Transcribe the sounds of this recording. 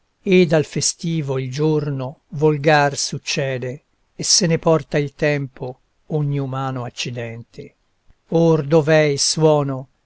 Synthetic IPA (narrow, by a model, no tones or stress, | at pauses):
ed̪alfest̪iːvoild͡ʒornovolɡarsut͡ʃːɛːd̪eː | sːenepɔrt̪ailt̪ɛmpo | oɲːiumaːnoat͡ʃːid̪ɛnt̪ʰe | ord̪ovɛjswɔːno